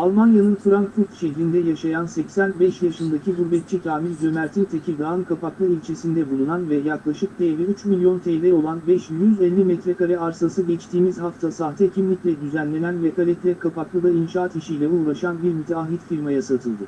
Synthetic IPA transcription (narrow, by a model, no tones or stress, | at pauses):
alˠmanjanɯnfɯɾaŋkfuɾt̪ʃɛçɾʲind̪ɛjaʃajansɛcsænbɛʃjaʃɯnd̪acʰibuɾbɛt̪̚t͡ʃʰic̪ʰaːmiɾd͡ʒømæɾt̪ʰint̪ʰecʰiɡ̪aɯnkʰapaklˠɯilʲt͡ʃʰe̞sind̪ɛbulˠunanvɛjaklˠaʃɯk̚t̪ʰejvɛyt͡ʃmilʲjo̞nt̪ʰɛjvɛo̞lˠanbɛʃjyzɛlʲːimɛt̪ɾɛkaɾɛaɾsasɯɟɛt͡ʃt̪ʰiːmizhaft̪ʰasaɦt̪ʰɛcʰimlʲiclʲɛd̪yzænlʲe̞nænvɛkʰalʲɛt̪lʲɛkʰapaklˠɯd̪ainʃaːt̪iʃijlʲɛuːɾˠaʃanbiɾmit̪ʰaɦit̪fiɾmajasat̪ʰɯlˠd̪ɯ